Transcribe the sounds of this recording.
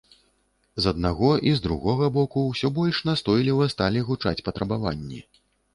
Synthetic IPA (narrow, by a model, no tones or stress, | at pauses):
zɐd̪̚naɣɔʔizd̪ɾṵɣɔɣɐbɔkuwsʲɔbɔlʲʂnast̪ɔjlʲivɐst̪alʲiɣut͡ʂa̰t͡sʲpɐt̪ɾɐbavanʲːḭ